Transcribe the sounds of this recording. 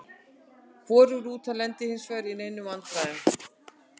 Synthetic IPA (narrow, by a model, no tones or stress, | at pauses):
kʰvɔːɾʏɣɾuːt̪ʰalɛnt̪ɪhɪnsvœːɾinejnːʏmank̪ɾaːðɪn